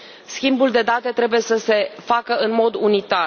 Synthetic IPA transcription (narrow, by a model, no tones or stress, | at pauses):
skʲimbuld̪e̞d̪at̪e̞t̪ɾe̞buje̞səse̞fakəɨnmo̞d̪unit̪ar